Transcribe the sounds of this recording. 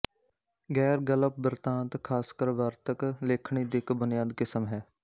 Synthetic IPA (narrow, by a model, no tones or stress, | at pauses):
ɡɛːɾɡələp̚bəɾt̪ãːt̪kʰaːskəɾʋaɾt̪əkleːkʰɳ̃iːd̪ɪkbʊnɪjaːd̪kɪsəmɦɛː